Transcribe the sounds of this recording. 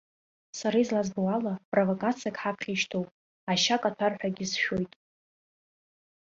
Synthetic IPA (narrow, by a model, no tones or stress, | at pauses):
saɾaizlazbowalapʼrovokʼat͡sʰijakʰʼħapʰχʲiʃtʰowpʼ | aʃakʼatʷʰarħʷᶣaɡʲɪsʃo̞jtʼ